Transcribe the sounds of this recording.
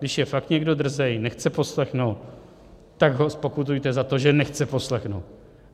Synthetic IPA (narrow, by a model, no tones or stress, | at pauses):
dɪʃjɛfakt̪ɲɛɡdo̞d̪r̩zɛjnɛxt͡sɛpo̞slɛxnowt̪ː | aɡɦo̞spo̞kut̪̬ujt̪ɛzat̪o̞ʒɛnɛxt͡sɛpo̞slɛxno̰wt̪̚